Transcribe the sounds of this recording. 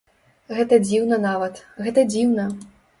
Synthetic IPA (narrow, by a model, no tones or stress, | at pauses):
ɣɛt̪ɐd͡zʲiwnɐnavɐt̪ɣɛt̪ɐd͡zʲiwnɐ